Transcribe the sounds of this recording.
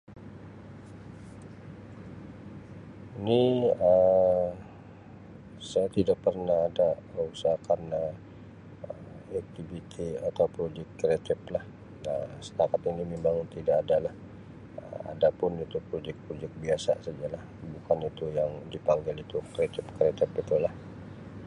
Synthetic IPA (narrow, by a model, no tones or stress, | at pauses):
iniə | sajat̪idaʔpərnahːdaəɾusakanə | ə | ɛk̚t̪ivit̪ʰiat̪awpɾod͡ʒɛk̚kːɾiat̪ɪp̚lah | əsə̥t̪akat̪inimimbaŋt̪idaːdalah | ə̰ma̰dapʊnut̪ʊpɾod͡ʒɛk̚pɾod͡ʒɛk̚biasa̰sad͡ʒalahbukanit̪ujaŋdipaŋɡɪlit̪ukɾiat̪ɪpkɾiat̪ɪpit̪ulah